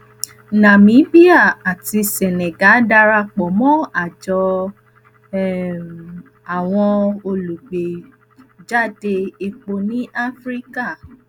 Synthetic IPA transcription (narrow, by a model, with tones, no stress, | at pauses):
nã˨mĩ˨˦bi˦a˦˨a˨ti˧se˨nɛ̃˨ɡa˨˦da˧ɾa˧k͡pɔ˨mɔ̃˦a˦˨d͡ʒɔ˧˨ | a˨w̃ɔ̃˧o˧lu˨ɡ͡be˨ | d͡ʒa˦˨de˧i˧k͡po˧nĩ˨˦ʔa˦fɾi˦ka˦˨